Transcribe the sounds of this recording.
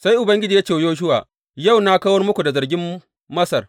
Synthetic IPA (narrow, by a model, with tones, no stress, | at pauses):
sa˦jʔʊ˨bɐ˦ŋɡʲɪ˦d͡ʒiː˨ja˦t͡ʃe˨joː˦ʃ̬ʊ˦wa̰ː˨ | ja˦˨wna˦kaː˦wɔ˦rmʊ˦kʷu˨da˨zɐ˨rɡʲɪ˦mː | ɐ˦sɐ˨r